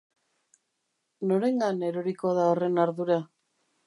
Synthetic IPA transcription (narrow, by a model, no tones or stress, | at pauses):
no̞ɾe̞ŋɡane̞ɾoɾikoðaore̞naɾðuɾa